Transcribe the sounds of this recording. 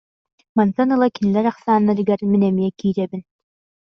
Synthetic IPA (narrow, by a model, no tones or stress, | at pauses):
mansanɯlˠakinlɛɾaχsaːnːaɾiɡaɾminɛmijɛkiːɾɛbin